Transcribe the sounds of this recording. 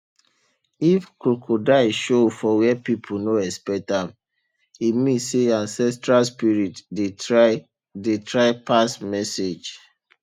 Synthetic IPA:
ifkɹukʰodaʃofɔwɛpipʰunoɛspɛk̚tãm | imĩseãnsɛstɹalspiɹitde | detʰɹaɪpasmɛsed͡ʒ

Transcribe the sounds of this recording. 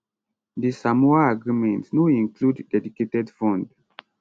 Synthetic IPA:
disamɔaaɡɹimɛ̃ntnoĩnkʰludːɛdiketɛdfɔ̃nd

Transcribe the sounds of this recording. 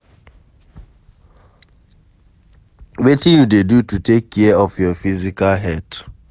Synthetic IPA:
wetĩjudedututʰekʰːɛɔfjɔfizikalɦɛt

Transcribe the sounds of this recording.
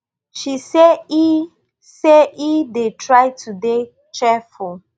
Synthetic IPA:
ʃisei | seidetʰɹaɪtʰude | t͡ʃɛfu

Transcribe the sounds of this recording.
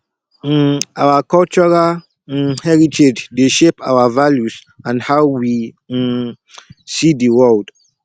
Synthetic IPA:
awakɔlt͡ʃɔɹal | hɛɹitʰed͡ʒdeʃepawavaljus | ãnhawwi | sidiwɔld

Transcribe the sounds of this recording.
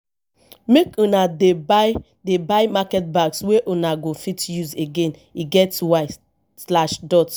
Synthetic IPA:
mekũnade | debaɪmakɛt̚baksweʔũnaɡofitjuzeɡẽniɡɛtswaɪ | slaʃdɔt

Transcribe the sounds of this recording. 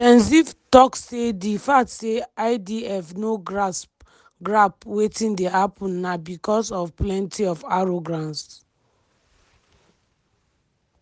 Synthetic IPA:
tɛ̃nsivtɔkssedifatseaɪdiɛfnoɡɹas | ɡɹapwetĩndehapʰɔ̃nːabikɔsɔfplɛ̃ntʰiɔfaɹoɡɹãns

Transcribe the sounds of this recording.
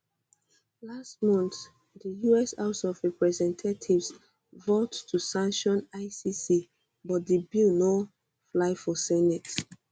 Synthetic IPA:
last̚mɔ̃nθ | dəjuɛsaʊsɔvɹɛpɹɛzɛ̃ntʰatʰivs | votːʰusãŋkʃɔ̃naɪsisi | bɔt̚dəbilno | flaɪfɔsɛnɛt

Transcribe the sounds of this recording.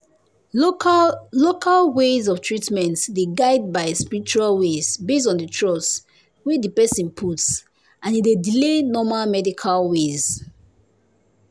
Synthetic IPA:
lokʰalwezɔvtʰɹitmɛ̃ntdeɡaɪd̚baɪspiɹit͡ʃualwezbes̬tɔ̃ndətʰɹɔs | wɛdipɛsĩnpʰuts | ʔãnidedilenɔmalmɛdikʰalwez

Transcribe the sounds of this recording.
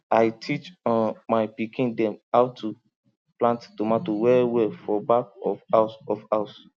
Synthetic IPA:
ajtʰit͡ʃɔ̃nmajpikʰĩndɛ̃mawtʰu | plãnttomatowɛwɛfɔbakɔfasɔfaʊs

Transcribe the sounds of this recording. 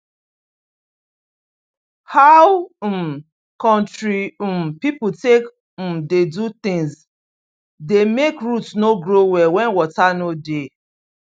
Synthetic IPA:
haw̩m̩ | kɔ̃ntɹimpiputek̩ | dedut̪ɪ̃ŋs | demekɹutsnoɡɹowɛwɛ̃nwɔtanode

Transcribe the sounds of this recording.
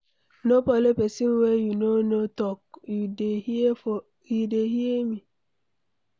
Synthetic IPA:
nopɔlepesiŋ̩wejunonotɔk | ideɦiemi

